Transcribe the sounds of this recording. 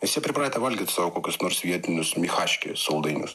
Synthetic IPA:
ɪsʲsʲɛpʲɾʲɪpɾɑd̪ʲet̪ʲɛʋɐlʲɡʲit̪ʲsɑːʋokoːkʲʊsnoːɾsʋʲiɛt̪ʲɪnʲʊsmʲixɑːʃʲkʲɪ̰sɐlˠd̪ɐɪnʲʊ̰s

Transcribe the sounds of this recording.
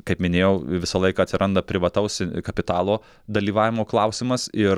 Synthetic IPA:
kɐɪpmʲɪnʲeːjɛʊʋʲɪsɐlˠɐɪkɐːɐt̪ʲsʲɪɾʔɐnd̪ɐpʲɾʲɪʋɐt̪ɐʊskɐpʲɪt̪ɑːlˠoː | d̪ɐlʲiːʋɑːʋʲɪmoːklˠɐʊsʲɪmɐsɪ

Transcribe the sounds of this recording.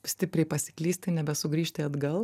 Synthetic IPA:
sʲt̪ʲɪpʲɾʲɛɪpɐsʲɪ̥klʲiːsʲt̪ʲɪnʲɛbʲɛsʊɡɾʲiːʃʲt̪ʲɪɐd̪ɡɐlˠ

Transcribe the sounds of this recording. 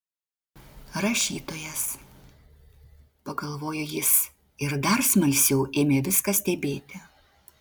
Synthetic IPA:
ɾɐʃʲiːt̪oːjɛs | pɐɡɐlˠʋoːjojɪs | ɪɾd̪ɐɾsmɐlʲsʲjɛʊʔeːmʲeːʋʲɪskɐsʲt̪ʲɛbʲeːt̪ʲɪ

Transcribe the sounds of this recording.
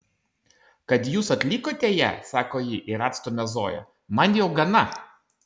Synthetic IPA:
kɐt̪juːsɐt̪ʲlʲikoːt̪ʲeːjɛ̰sɑːkoːjiʔɪɾɑːt̪st̪ɔmʲɛzoːjɛ̰ | mɐnjɛʊɡɐnɐ

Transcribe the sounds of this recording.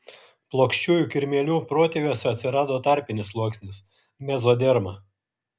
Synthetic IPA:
plˠoːkʃʲt͡ʃʲuːjuːˑkʲɪɾʲmʲeɛlʲuːpɾoːt̪ʲeːʋʲoːsʲɛɐt̪ʲsʲɪɾɑːd̪oːt̪ɑˑɾʲpʲɪnʲɪslˠuɔksʲnʲɪs | mʲɛzoːd̪ʲɛɾmɐ

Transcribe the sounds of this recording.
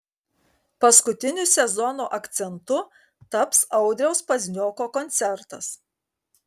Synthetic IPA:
pɐskʊt̪ʲɪnʲʊsʲɛzɔnuʔɐkt̪sʲɛnt̪ʊ | t̪ɐpsɐʊd̪ʲɾʲɛʊspɐzʲnʲoːkoːkɔnʲt̪sʲɛɾt̪ɐs

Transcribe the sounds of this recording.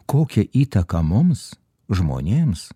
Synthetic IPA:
koːkʲɛʔiːt̪ɐkɐmʊms | ʒmo̰ːnʲeːms

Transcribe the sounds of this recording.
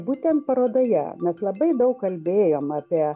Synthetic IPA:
buːt̪ʲɛnt̪pɐɾoːd̪oːjɛ̰mʲɛslˠɐbɐɪd̪ɐʊkkkɐlʲbʲeːjoːmɑːpʲiɛ

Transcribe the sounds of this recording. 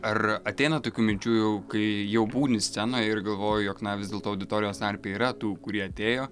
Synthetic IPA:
ɐrɐt̪ʲɛɪnɐt̪oːkʲuːmʲɪnʲt͡ʃʲuːjɛʊkɐɪjɛʊbuːnʲɪsʲtt͡sʲsʲɛnoːjɛɪrɡɐlˠʋoːjʊjoːknɐʋʲɪzdʲeɛlˠt̪oːɐʊd̪ʲɪt̪oːɾʲɪjoːst̪ɐɾʲpʲeːiːɾɐt̪uːkʊɾʲiɛɐt̪ʲeːjoː

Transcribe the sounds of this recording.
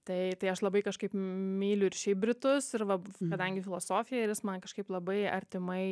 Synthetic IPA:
t̪ɐɪt̪ɐɪɐʃlˠɐbɐɪkɐʃkɐɪpmʲiːlʲʊɪɾʃʲɛɪbʲɾʲɪt̪ʊsɪɾʋɐkɐd̪ɐŋʲɡʲɪfʲɪlˠoːsoːfʲɪjɛɪɾjɪsmɐnkɐʃkɐɪplˠɐbɐɪɐ̰ɾʲt̪ʲɪmɐɪ

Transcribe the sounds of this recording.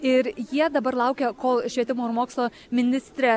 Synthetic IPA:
ɪɾjiɛd̪ɐbɐɾlˠɑʊkʲɛkoːlˠʃʲʋʲiɛt̪ʲɪmoːɪɾmoːkslˠoː | mʲɪnʲɪsʲt̪ʲɾʲɛ

